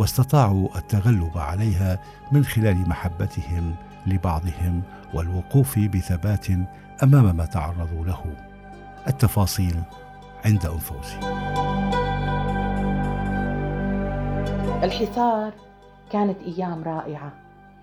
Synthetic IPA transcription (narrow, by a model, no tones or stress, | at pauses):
wɑst̪ɑt̪ˤɑːʕuʔat̪ːaɣalːʊbʕa̰lajɦa | mɪnxɪlaːlɪmaħabːat̪ɪhɪm | lɪbɑʕd̪ˤɨhɪm | walwʊquːfbɪθabaːt̪ | ʔamaːmamaːt̪ɑʕɑrˤːɑðˤulahʊ | ʔat̪ːɑfɑːsˤiːl | ʕɪnd̪aʔʊnfuːs | ʔɪlħɪsˤɑːɾˤ | kaːnat̪ʔajːaːmɾˤɑːʔɪʕa